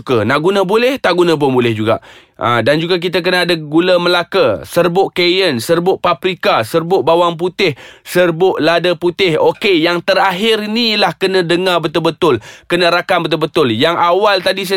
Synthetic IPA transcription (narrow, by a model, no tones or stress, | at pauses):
kənaʔɡunə̃bolɛht̪aʔɡunə̃bobolɛhd͡ʒuɡa̰ʔ | ʔə̰dand͡ʒuɡak̬it̪ək̬ənaːdəɡuləməlakəsərbʊʔkejənsərbʊʔpapɾikasərbʊʔbawaŋp̬ut̪ɪhsərbʊʔladəput̪ɪhokejaŋt̪əɾaɦɪrnilahkənə̃dəŋabət̪ʊlbət̪ʊlkənə̃ɾakambət̪̬ʊlbət̪ʊljaŋawalt̪adis̬a